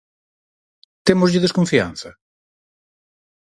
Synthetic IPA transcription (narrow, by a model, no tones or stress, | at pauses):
t̪emʊzʎɪðeskoɱfia̰n̟θɐ